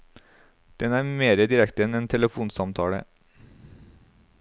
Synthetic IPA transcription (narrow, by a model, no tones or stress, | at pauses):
d̪̥ɛnæːɾmeːɾəd̪ɪɾɛkt̪əɛnɛnt̪ʰɛləfuːnsɑmt̪ʰɑːɽə̰